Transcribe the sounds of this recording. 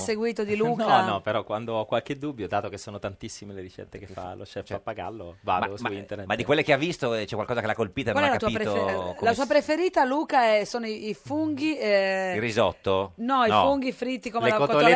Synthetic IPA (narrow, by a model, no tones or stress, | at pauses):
seɡwiːt̪od̪iluːkanɔpeɾɔkwand̪oɔkːwalked̪ubːjod̪aːt̪okesːoːnot̪ant̪isːimeleɾit͡ʃɛ̰t̪ːekefa̰lo̰ʃɛfapːaɡa̰lːova̰mdsoineɾnet̪mad̪ikwelːekeavːist̪ot͡ʃɛkwalkɔzakelakːolpiːt̪okwalaɛlːakat̪uaiːpɾet̪olasuːapɾefeɾiːt̪aluːkaɛsoːnoiːfuŋɡiɛrizɔt̪ːonɔinɔfuŋɡifɾit̪ːikomelelaotkot̪ol